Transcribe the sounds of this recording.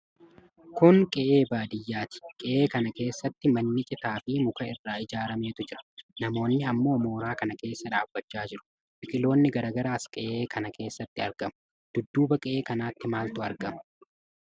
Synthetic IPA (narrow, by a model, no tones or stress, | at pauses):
kʊŋkʼɛʔe̞ːbaːd̪ɪjːaːt̪ɪ̥kʼɛʔe̞ːkɐnɐke̞ːsːɐt̪ːɪmɐnːɪt͡ʃʼɪt̪aːfɪmʊkɐɪrːaːɪd͡ʒaːɾɐme̞ːt̪ʊd͡ʒɪɾɐ̥nɐmo̞ːnːɪɐmːo̞ːmo̞ːɾaːkɐnɐke̞ːsːɐᶑaːbːɐt͡ʃːaːd͡ʒɪɾʊ̥ | bɪkʼɪlo̞ːnːɪɡɐɾɐɡɐɾaːskʼɛʔeːkʰɐnɐkʰe̞ːsːɐt̪ːɪɐɾɡɐmʊ̥ | d̪̥ʊd̪ːuːbɐkʼɛʔe̞ːkɐnaːt̪ːɪmaːlt̪ʊɐɾɡɐmʊ̥